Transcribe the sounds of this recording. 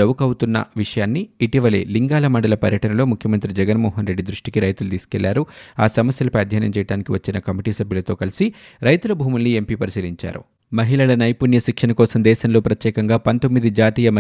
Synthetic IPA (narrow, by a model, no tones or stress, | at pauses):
ɐwukɐwut̪unːɐ̰ʋiʂɐjaːnːiːʈiʋɐle̞̰ːliŋɡaːlɐmɐɳɖɐlɐpɐɾjɐʈɐnɐlo̞ːmukʰjɐmɐnt̪ɾid͡ʒɛɡɐnmɔːɦɐnɾe̞ɖːid̪ɾuʂʈikiɾɐjt̪ulut̪iːsu̥kɛɭːaːɾuaːsɐmɐsjɐlupejad̪ʱjaːnɐmt͡ʃɛːjɐʈaːnikiʋɐt͡ʃːinɐkɐmiʈiːsɐbʱjulɐt̪o̞ːkɐlisiɾɐjt̪ulɐbʱuːmulːie̞mpipɐɾisiːliɲt͡ʃa̰ːɾṵ | mɐɦilɐlɐnɐjpuːnjɐʃikʂɐnɐkɔːsɐmd̪ɛːʃɐnlo̞ːpɾɐt̪jɛːkɐŋɡaːpɐnt̪o̞mːid̪id͡ʒaːt̪iːjɐmɐ